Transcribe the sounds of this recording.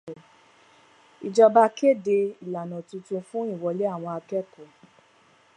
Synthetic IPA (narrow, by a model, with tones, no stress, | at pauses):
i˨d͡ʒɔ˧ba˧ke˦˨de˧i˨la˨nɔ̃˨tũ˧tũ˧fũ˦i˦˨wɔ˧le˦a˦˨w̃ɔ̃˧a˧kɛ˦˨kũ˨